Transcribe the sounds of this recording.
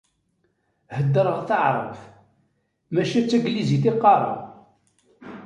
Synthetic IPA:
həd̪ːəɾˤəʁθaʕɾˤə̰f | mæʃæt͡sːæɡliziθɪqːɑɾˤɑ̰

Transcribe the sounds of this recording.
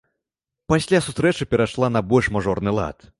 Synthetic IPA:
pasʲlʲasut̪ɾɛt͡ʂɨpʲɛɾaʂlˠanɐbɔlʲʂmaʐɔrnɨlˠa̰t̪

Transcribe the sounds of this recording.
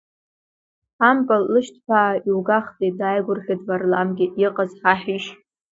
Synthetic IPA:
ħampʼallɨʃtʰpʰaːiwɡaχtʼidajɡʷʊrχʲadvarlamɡʲɪʔiqʼazħaħiʃ

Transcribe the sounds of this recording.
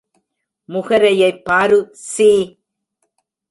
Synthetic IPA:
mʊɣɐɾɐjɐɪpːaːɾɯsiː

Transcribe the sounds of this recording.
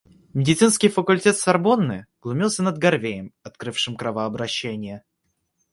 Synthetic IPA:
mʲɪdʲɪt̪sɨnskʲɪjfəkʊlʲtʲet̪sɐrbo̞nːɨɡ̥lˠʊmʲilˠsʲənəd̪ɡɐrvʲejəmɐt̪kɾɨfʂɨmkɾɐvəɐbɾɐɕːenʲɪjə

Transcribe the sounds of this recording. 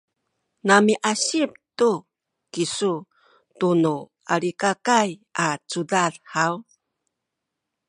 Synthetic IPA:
namiʔaɕip̚tu | kisu | tunu | aɾikakajat͡sudaɮhaw

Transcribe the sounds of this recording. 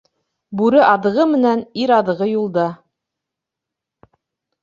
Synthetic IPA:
bʉɾɘʔɑðɤ̆ʁɤmɘ̆næniɾɑðɤ̆ʁɤjulˠd̪ɑ

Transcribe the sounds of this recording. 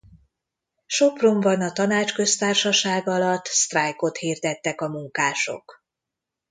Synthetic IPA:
ʃopro̞mbɒnɒt̪ɒnaːt͡ʃkø̞st̪aːrʃɒʃaːɡɒlɒt̪ːst̪rajko̞t̪hiːrd̪ɛt̪ːɛkɒmuŋkaːʃo̞̰k

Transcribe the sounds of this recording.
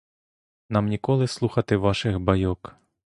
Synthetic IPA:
namnʲikɔlˠɨslˠuxɐt̪ɪʋaʂɨɣbajɔk

